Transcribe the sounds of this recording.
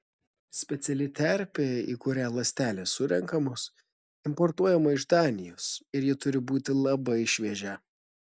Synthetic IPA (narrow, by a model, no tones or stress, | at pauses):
sʲpʲɛt̪sʲɛlʲɪt̪ʲɛɾʲpʲeḭːkʊɾʲæːlˠɐsʲt̪ʲæːlʲeːsʊɾʲɛŋkɐmos | ɪmpɔɾt̪uɔjɛmɐɪʒd̪ɑːnʲɪjosɪɾjɪt̪ʊɾʲɪbuːt̪ʲɪlˠɐbɐɪʃʲʋʲɛːʒʲɛ